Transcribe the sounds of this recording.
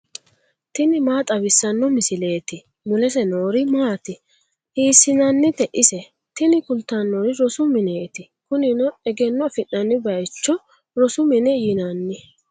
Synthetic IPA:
t̪ɪnɪmaːt̪ʼɐβɪsːɐnːɔmɪsɪle̞ːt̪ɪ | mʊlɛs̬ɛnoːɾɪmaːt̪ɪ | hiːsːɪnɐnːɪt̪ɛʔɪsɛ | t̪ɪnɪkʊlt̪ːɐnːoɾɪɾɔsʊmɪneːt̪ɪ | kʊnɪnɔɛɡɛnːɔfɪʔːɐnːɪbɐjt͡ʃːɔ | ɾɔsʊmɪnɛjɪnɐnːɪ

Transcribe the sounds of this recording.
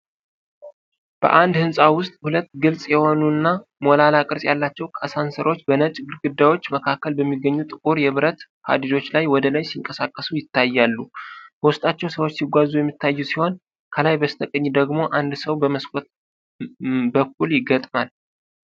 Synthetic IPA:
b̥ə̰ʔand̪hɨnsʼawʊst̪ʼhulət̪ːɡɨlsʼjɛho̞nunːamo̞lalakʼɨɾsʼjalːat͡ʃːɛwkʰasansəɾo̞t͡ʃːbənət͡ʃʼɡɨɾɡɨd̪ːajwo̞t͡ʃːməkʰakːəlbəmːiɡːəɲːut̪ʼɨkʼuɾjɛβɨɾət̪ | ha̰d̪id̪o̞t͡ʃːlajwɔd̪əlajsiŋkʼəsakʼːəsujɪt̪ʰːajːalːubəwʊst̪ʼat͡ʃːɛwsəwot͡ʃːsiɡʷazujɛmːit̪ːajːusiho̞n | kʰəlajbəst̪ʰəkʼəɲːid̪əɡmo̞ʔand̪səwbəməskʼot̪ | bək̚ːuljɪɡət̪ʼmal

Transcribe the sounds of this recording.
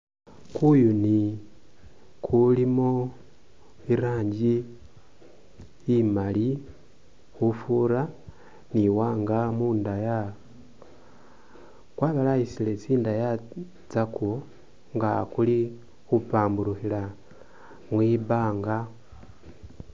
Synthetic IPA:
kujuni | kʰulimo | iɾaːɲɟi | mali | xufuɾa | niwaːŋɡamuːndaja | kwaːβalaisilet͡siːndaja | t͡sako | ŋɡakuli | xupaːmbuɾuxila | mwiβaːŋɡa

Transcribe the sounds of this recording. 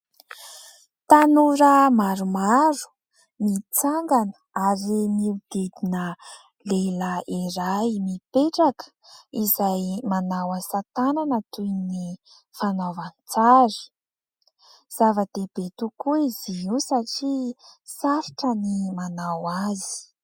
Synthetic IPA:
t̪anuɾəmaɾumaɾu̥ | mit͡saŋɡanə̥ | aɾimid̪ed̪inə | leləiɾajmipeʈ͡ʂakə̥izajmanawasat̪ananət̪ujni | fanovanit͡saɾi̥ | z̥avəd̪̥eb̥et̪ukuiziiwsaʈ͡ʂisaɾiʈ͡ʂənimanawazi̥

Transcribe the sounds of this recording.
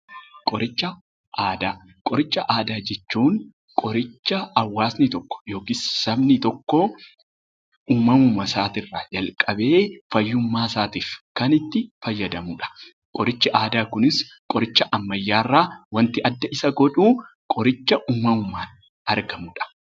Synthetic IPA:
kʼɔɾɪt͡ʃːɐ | aːd̪aː | kʼɔɾɪt͡ʃːɐʔaːd̪aːd͡ʒɛt͡ʃːuːŋ | kʼɔɾɪt͡ʃːɐɐwːaːsnɪt̪ɔkːɔ̥jo̞ːkissɐbnɪt̪ɔkːo | ʊmːɐmʊmːɐsaːt̪ɪrːaːd͡ʒɐlkʼɐbe̞ːfɐjːʊmːaːsaːt̪iːfkɐnɪt̪ːɪfɐjːɐd̪ɐmuːᶑɐ̥ | kʼɔɾɪt͡ʃːɪʔaːd̪aːkʊnɪs | kʼɔɾɪt͡ʃːɐʔɐmːɐjːaːrːaːwɐnt̪ɪʔɐd̪ːɐɪsɐɡɔᶑuː | kʼɔɾɪt͡ʃːɐʔʊmːɐmʊmːaːn | ɐɾɡɐmuːᶑɐ̥

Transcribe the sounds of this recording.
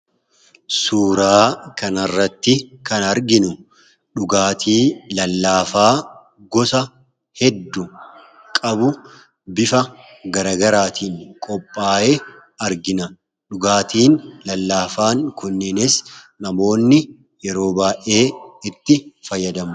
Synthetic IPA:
suːɾaːkɐnɐrːɐt̪ːɪkɐnɐɾɡɪnʊ | ᶑʊɡaːt̪ʰiːlɐlːaːfaː | ɡɔsɐ | hɛd̪ːʊ | kʼɐbʊ | bɪfɐ | ɡɐɾɐːɡɐɾaːt̪iːŋkʼɔpʼːaːʔe | ɐɾɡɪnɐ | ᶑʊɡaːt̪iːnlɐlːaːfaːŋkʊnːɪnɪsnɐmo̞ːnːɪ | jɛɾo̞ːbaːʔe̞ːɪt̪ːɪfɐjːɐd̪ɐmʊ

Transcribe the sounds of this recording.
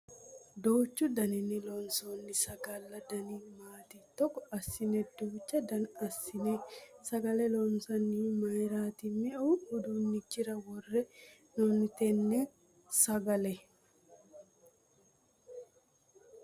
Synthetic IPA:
d̪oːt͡ʃːʊd̪ɐnɪnɪlɔnsoːnːɪsɐɡɐlːɐd̪ɐnimaːt̪ɪt̪ɔkːɔɐsːɪnɛd̪oːt͡ʃːɐd̪ɐnɐsːɪnɛsɐɡɐlɛlɔnsɐnːimɐjɾaːt̪ɪmɛuʊd̪unːɪd͡ʒɪɾɐwɔrːɛ | nɔnt̪ɛnːɛ | sɐɡɐlɛ

